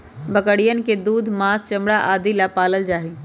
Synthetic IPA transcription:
bəkəɽijənɪ̆ked̪uːd̪maːst͡ʃɐ̃mɽaʔaːd̪ilapaːləld͡ʒaːɦiː

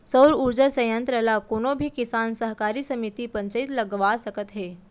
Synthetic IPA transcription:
səwɾuɾd͡ʒəsəjənt̪ɾəlakoːnobʱikisaːnsəɦkaːɾisəmit̪ipə̃ɲt͡ʃəit̪lɐɡʋasəkət̪ɦeː

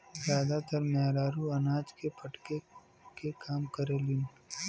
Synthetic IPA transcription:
zjaːd̪at̪əɾmɛːɾaːɾuɐnaːd͡ʒkepʰɐʈke | kekaːmkəɾelɪn

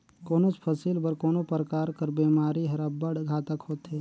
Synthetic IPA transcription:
koːnot͡ʃpʰəsiːlbəɾkoːnopɾəkaːɾkəɾbeːmaːɾiɦɐɾəbəɽɡʱaːt̪əkhoːt̪eː

